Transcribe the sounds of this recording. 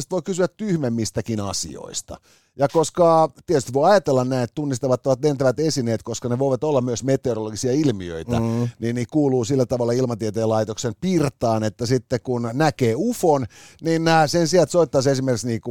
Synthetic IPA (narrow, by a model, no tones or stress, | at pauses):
st̪ʋoikysyæt̪t̪yhmemːist̪ækinɑsḭo̰ist̪ɑ̰ | jɑkoskɑt̪iet̪yst̪ʋoiɑjɑt̪elːɑnnæinet̪t̪unːist̪ɑʋɑt̪ːoɑt̪lent̪æʋæt̪esineːt̪koskɑneʋoiʋɑt̪olːɑmmyøsmet̪ˑeoroloɡisiɑilmiø̰it̪æ̰ninniːkuːluːsilːæt̪ɑʋɑlːɑilmɑt̪iet̪eːlɑit̪oksempirt̪ɑːnet̪ːæsit̪ːekunnækeːufonniːnnæːsensiælt̪soit̪ːɑsesimerkksniːku